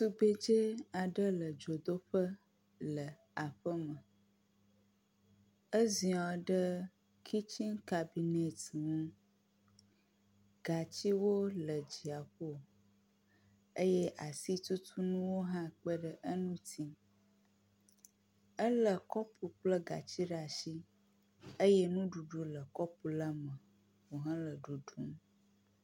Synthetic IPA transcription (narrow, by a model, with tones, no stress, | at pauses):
su˦ɡ͡be˦d͡ʒe˦a˨ɖə˦lə˨d͡ʒo˨d̪o˦ɸə˦ | lə˨ | a˨ɸə˦mə˨ | ə˦zi˨ɔ˨ɖə˦ | kʰi˦t͡ʃi˦ŋka˨bi˨ne˨tŋũ˦ | ɡa˨t͡ɕi˦wo˦lə˨d͡ʒi˨a˨ɸo˦˨ | ə˦jɛ˦ʔa˨si˦t̪u˦t̪ʰu˦nũ˦wo˦ɦã˦k͡pə˦ɖə˦ʔə˦nũ˦t̪ʰi˦ | ə˦lə˨kɔ˦pu˨k͡plə˦ɡa̰˨t͡ɕi˦ɖa˨ʃi˦ | ə˦je˦nũ˦ɖu˨ɖu˦lə˨kɔ˦pu˨la˦mə˨ | wo˨ɦã˦lə˨ɖu˨ɖu˦m˦